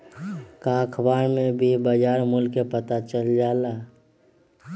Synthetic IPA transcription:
kaːkʰbaːɾmẽbʱibəd͡ʒaːɾmʊlkepət̪at͡ʃəld͡ʒaːla

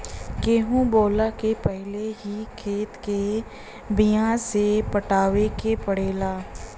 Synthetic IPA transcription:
keːɦũboːlakepɛɦleɦikʰeːt̪ke | bijãsepəʈaːʋekepəɽeːlaː

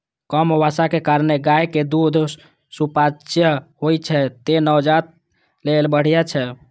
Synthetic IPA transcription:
kəmʋasakekaɾneɡajked̪ud̪ʱ | supat͡ʃjəɦojt͡ʃʰɛt̪enəwd͡ʒat̪̚ | lelbəɽ̤ijat͡ʃʰɛ

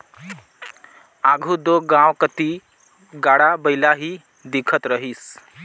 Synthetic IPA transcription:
aɡʱud̪oɡãwkət̪iː | ɡaɽabəjlaɦiː | d̪ikʰət̪ɾəɦiːs

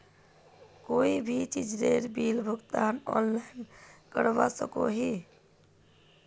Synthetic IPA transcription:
koibʱit͡ʃid͡ʒɾeɾbilbʱuɡt̪anɔ̰nlajnkəɾbasə̰ko̰ɦi

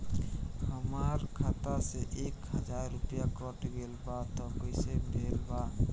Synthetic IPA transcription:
həmaɾkʰat̪aseʔekɦəd͡ʒaɾːupijakɔʈɡelbat̪ɔkojsebʱelba

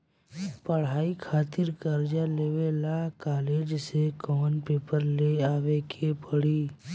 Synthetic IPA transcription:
pəɽ̤aːikʰaːt̪ɪɾkəɾd͡ʒaleːʋelakaːleːd͡ʒsekɔːənpeːpəɾleaːʋekʰepəɽiː

